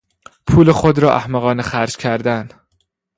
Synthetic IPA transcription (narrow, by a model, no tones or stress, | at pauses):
pʰuːlexod̪ɾɒːʔæhmæɣɒːnexæɾd͡ʒcʲʰæɾd̪æn